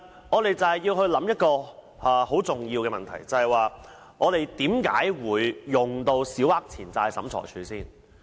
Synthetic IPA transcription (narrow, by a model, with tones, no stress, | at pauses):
ŋɔː˨˧t̪e˨jt͡sɐ˨hɐ˨jːiː˧wɦɵ˧ɥlɐ˨˥mjɐ˥t̚kɔː˧ | aː˨˩ho˨˥wt͡sʊ˨ŋjiː˧wkɛː˧mɐ̰˨nt̪ʰɐ̰˨˩jt͡sɐ˨hɐ˨jwaː˨ | ŋɔː˨˧t̪e˨jt̪iː˨˥mka̰ː˨˥jwuː˨˧jːʊ˨ŋt̪o˧wsiː˨˥whaː˥k̚t͡sʰiː˨˩nt͡saː˧jsɐ̰˨˥mt͡sʰɔ̰˨˩jt͡ʃʰyː˨˧siː˥˩n